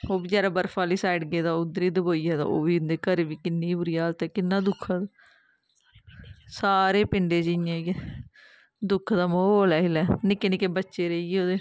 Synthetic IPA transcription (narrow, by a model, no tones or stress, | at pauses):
oːbiːd͡ʒɛːɾaːbəɾfaːliːsaːɖɡeːd̪aːʊd̪ɾiːd̪əboːiːjaːd̪a̰ːo̰ːbiːɪnd̪eːkəɾʋiːkɪnːiːbʊɾiːaːlt̪ɛːkɪnːãːd̪ʊkʰːãːd̪ | saːɾeːpɪɳɖeːd͡ʒɪɪjãːɡɛː | d̪ʊkʰd̪aːmoːoːlaːɪlɛːnɪkenɪkebətːʃeːɾəiːɛːoːd̪eː